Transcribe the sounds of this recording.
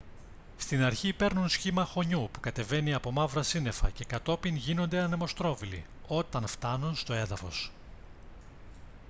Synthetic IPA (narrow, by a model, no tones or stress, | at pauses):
st̪inɐɾçipe̞ɾnunsçimɐxo̞ɲupukɐt̪e̞ve̞niɐpo̞mɐvɾɐsine̞fɐ̰ce̞kɐt̪o̞pinʝino̞nd̪eɐne̞mo̞st̪ɾo̞vilḭ | o̞t̪ɐnft̪ɐnunst̪o̞e̞ðɐfo̞̰s